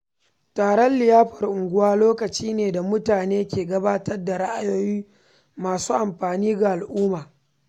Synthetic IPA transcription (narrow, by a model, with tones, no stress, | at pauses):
taː˨ɽɔ˦nlɪ˨jaː˦ɸɐ˨rʔʊ˨ŋɡʷʊ˦waː˦loː˦kɐ˨t͡ʃiː˦neː˨da˨mʊ˦taː˨neː˦kʲeː˨ɡɐ˦baː˦tɐ˦rda˨ɽa˦ʔa˦joː˦jiː˦ | maː˨suː˦ʔa˨mɸaː˨niː˦ɡa˨ʔa˨lʔuː˦maː˨